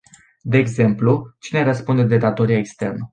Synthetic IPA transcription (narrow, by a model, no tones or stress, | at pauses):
d̪e̞ːɡze̞mplut͡ʃine̞ɾəspund̪e̞d̪e̞d̪at̪o̞ɾiaekst̪e̞rnə